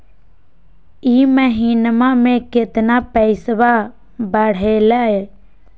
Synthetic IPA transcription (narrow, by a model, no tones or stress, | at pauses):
iːməɦiːnmãmẽkɪt̪napəɪsʋa | bəɽ̤eːlaɦe